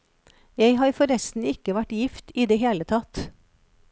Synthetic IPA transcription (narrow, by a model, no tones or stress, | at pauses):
jæɪɦɑːɾfɔɾɛst̪n̩ɪkəʋæʈjɪft̪iːd̪eːheːlət̪ʰɑt̪